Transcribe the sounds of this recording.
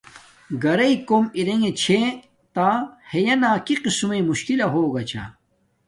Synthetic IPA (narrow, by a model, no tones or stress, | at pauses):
ɡɐɾɐikomiɾeŋet͡ɕʰe | t̪aːhejɐnaːkiqismemuɕkilɐɦoːɡɐt͡ɕʰa̰